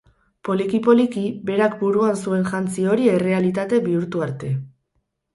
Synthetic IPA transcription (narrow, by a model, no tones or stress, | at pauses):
po̞likipo̞likibe̞ɾak̚buɾuansue̞nʝant͡sio̞ɾie̞re̞alit̪at̪e̞βiuɾt̪uaɾt̪e̞